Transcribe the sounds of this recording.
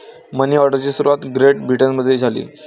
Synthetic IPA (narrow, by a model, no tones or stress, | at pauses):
məniːɔɾɖəɾt͡ɕiːsuɾuʋat̪ɡɾeʈ̚bʱiʈənməd̪ʱːjed͡zʱalḭː